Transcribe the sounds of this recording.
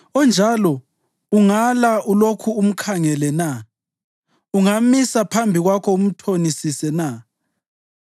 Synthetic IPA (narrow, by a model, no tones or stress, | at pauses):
ɔnd͡ʒʱalɔ | uŋalaʔulokʰuːm̩kʰaŋɛlɛna | uŋamisapʰambʱiɣwakʰɔum̩tʰonisisɛna